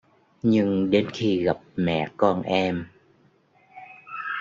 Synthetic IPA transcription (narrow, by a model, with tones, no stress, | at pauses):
ɲɨ˧ŋɗe˧nxi˧ɣa˨˩p̚mɛ̰˧˨kɔ˧nʔɛ˧m